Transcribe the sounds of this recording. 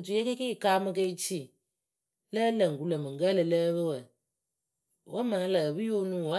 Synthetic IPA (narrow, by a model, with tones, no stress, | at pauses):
tu˨jɛ˦ke˦ke˦˨kaː˦mɨ˦ke˦i˦t͡ʃi˦˨ | lə˦lə˨ŋ˨ɡu˨lə˨mɨ˨ŋ̩˨ɡə˦lɨ˨ləː˦βɨ˦wə˨ | wa˦ma˨˦la˨bɨ˦jo˦nũ˦wa˦